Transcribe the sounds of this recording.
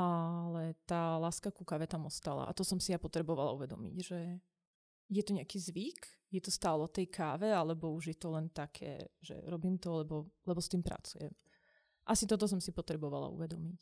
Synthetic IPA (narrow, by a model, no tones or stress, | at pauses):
alɛt̪aːlaːskakukaːʋɛt̪amɔst̪ala̰ʔa̰t̪ɔsɔmsijapɔt̪ɾɛbɔʋala̰uʋɛd̪ɔ̰mḭɟʒɛ | jɛt̪ɔɲɛakiːzʋik | jɛt̪ɔst̪aːlɛɔt̪ɛjkʰaːʋɛalɛbɔuʒjɛt̪ɔlɛnt̪akʰɛ̰ːʒɛ̰ɾɔbiːmt̪ɔlɛbɔlɛbɔst̪iːmpɾa̰t͡sujɛ̰m | ʔasit̪ɔt̪ɔs̬ɔmsipɔt̪ɾɛbɔʋala̰ṵʋɛd̪ɔmic